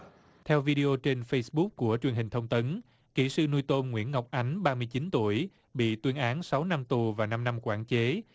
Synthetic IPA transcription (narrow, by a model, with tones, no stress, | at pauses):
t̪ʰɛ˧wvi˧ɗi˧o˧t͡ɕe˧nfə˧jsɓʊ˦˥k̚ku˧˩ət͡ɕwi˨˩ənɦï˨˩ŋ̟t̪ʰə˧wŋ͡mt̪ə˨˦n | kḭ˧˩sɨ̰˧nu˧jt̪o˧mŋwḭ˧˥ənŋa˨˩wk͡p̚ʔa˨˦jŋ̟ɓaː˧mɨ˧əjt͡ɕi˨˦nt̪u˧˩əj | ɓḭ˧˨t̪wi˧ənʔaː˨˦nsa˨˦wna˧mt̪u˨˩vaː˨˩na˧mna˧mkwa̰ː˧˩nt͡ɕe˨˦